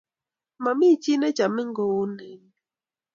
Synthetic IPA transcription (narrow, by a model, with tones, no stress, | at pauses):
ma˨mi˦˨t͡ʃi˦nɛ˦d͡ʒa˨mɪ˦ŋ̩˦ɡo˨o˦nɛ˨˦ŋ˦